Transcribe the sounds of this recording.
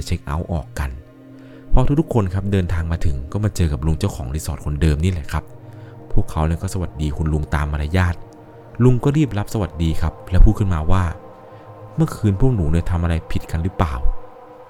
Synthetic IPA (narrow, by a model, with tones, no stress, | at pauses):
t͡ɕʰe˦˥k̚ʔa˦˥wʔɔː˨˩kːa˧n | pʰɔ˦˥t̪ʰu˦˥t̪ʰu˥kʰːo˧nkʰa˦˥p̚dɤː˧nt̪ʰaː˧ŋmaː˧t̪ʰɯ˩˦ŋkɔː˥˩maː˧t͡ɕɤː˧ka˨˩p̚lu˧ŋt͡ɕa˥˩wkʰɔː˩˦ŋɾiː˦˥sɔː˨˩t̪̚kʰo˧ndɤː˧mniː˦˥˩lɛ˨˩kʰa˦˥p̚ | pʰːu˥˩əkʰːa˦˥wni˧˥˩kɔː˥˩sa˧wa˨˩t̪̚diː˧kʰu˧nlu˧ŋt̪aː˧mʔa˧ɾaː˧jaː˥˩t̪̚ | lu˧ŋkɔː˥˩ɾiː˥˩p̚ɾa˦˥p̚sa˧wa˨˩t̪̚diː˧kʰa˦˥p̚lɛ˦˥pʰuː˥˩t̚kʰmaː˧waː˥˩ | mɯ˥˩kʰɯː˧npʰu˥˩ək̚nuː˩˦ni˧˩t̪ʰa˧mʔa˧ɾa˧jpʰi˨˩t̪̚ka˧nɾɯː˦˥plaː˨˩w